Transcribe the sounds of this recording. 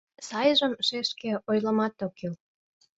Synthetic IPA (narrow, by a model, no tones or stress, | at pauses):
sɑjʒə̆mʃeʃkeojlə̆mɑt̪okil